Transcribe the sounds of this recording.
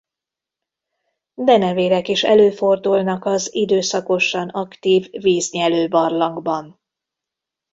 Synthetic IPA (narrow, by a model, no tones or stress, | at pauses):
d̪ɛnɛveːɾɛkiʃɛ̰løːfo̞rd̪ulnɒkɒzid̪øːsɒko̞ʃɒnɒkt̪iːvːiːzɲɛløːbɒrlɒŋɡbɒn